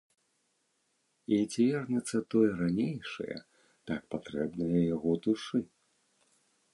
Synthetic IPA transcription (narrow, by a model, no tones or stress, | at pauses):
id͡zʲvʲɛrnʲɛt̪sːɐt̪ɔjɛɾanʲejʂɐ̰jɐ̰ | t̪ak̚pat̪ɾɛbnɨjɐjaɣɔd̪uʂɨ